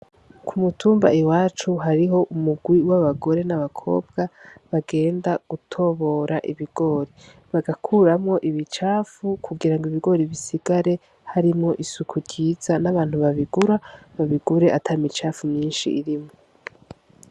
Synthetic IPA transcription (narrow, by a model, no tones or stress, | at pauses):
kʰumutʰuːmba̰iwaːt͡ʃuɦaɾiɦo̞ʔumuɡwiwaβaɡo̞ɾe̞naβakʰo̞̰ːb̚ɡaβaɡe̞ːndaɡ̥utʰo̞βo̞ɾaʔiβiɡ̥o̞ːɾi | βaɡakʰuɾamŋo̞ʔiβit͡ʃaːfukʰuɡiɾaŋɡiβiɡo̞ɾiβisiɡ̥aɾe̞ | haɾimŋo̞ʔisukʰuɾɟiːz̥anaβaːn̥huβaβiɡuɾaβaβiɡuɾe̞ʔatʰaimit͡ʃaːfumɲiːnʃḭʔiɾimŋo